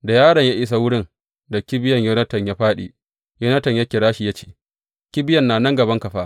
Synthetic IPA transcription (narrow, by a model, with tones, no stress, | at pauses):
da˨jaː˦ɽɐ˨ɲjaː˦ʔɪ˦s̬a˨wʊ˦ɽɪ˦ŋ | da˨kʲɪ˦bɪ˦jɐ˨ɲjo˦nɐ˦tɐ˨ɲjaː˦ɸaː˦ɗḭː˨ | joː˦nɐ˦tɐ˨ɲja˦kʲɪ˨ɽaː˦ʃi˨ja˦t͡ʃe̥ː˨ | kʲɪ˦bɪ˦jɐ˨nːaː˨nɐ˦ŋɡɐ˨bɐ˦ŋkɐ˨ɸaː˦